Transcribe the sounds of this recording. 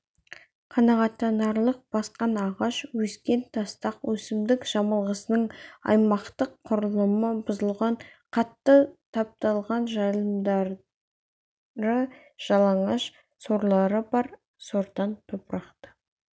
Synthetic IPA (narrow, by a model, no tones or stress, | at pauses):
qʰɑnɑʁɑt̪ːɑnɑɾlˠəq̚b̥ɑsqɑnɑʁɑʃwɵskʲe̞nt̪ʰɑst̪ɑqwɵsɪmd̪ɪkʒ̥ɑmɑlˠʁəsənəɴɑ̰jmɑqt̪əqʰːʊɾəlˠəməbʊzəlˠʁɑɴqʰɑt̪ːət̪ʰɑp̚t̪ɑlˠʁɑnʒɑjlˠəmd̪ɑɾ | ɾə | ʒ̥ɑlˠɑɴɑʃ | so̞ɾlˠɑɾəbɑɾ | so̞ɾd̪ɑnt̪ʰopɾɑqt̪ə̥